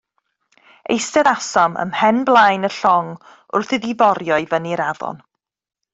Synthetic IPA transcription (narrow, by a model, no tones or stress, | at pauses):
ḛjstɛðasamə̰mhɛnblˠajnəɬɔŋ | ʊ̰rθɪðivɔɾjɔɨvəniɾavɔ̰n